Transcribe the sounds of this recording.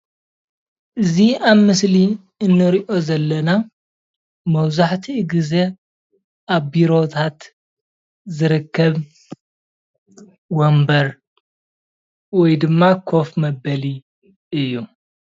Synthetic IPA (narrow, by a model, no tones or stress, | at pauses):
ʔɨziaβmɨsli | ɨnːɨɾiʔo̞zɐlːɐna | mɐwzaħt̪ʰiɨɡɨze̞ | ʔaβbiɾo̞t̪ʰat̪ | zɨɾɨkːɐβ | wombɐɾ | wɔjd̪ɨmːakʰo̞fmɐbɐli | ʔɨjːu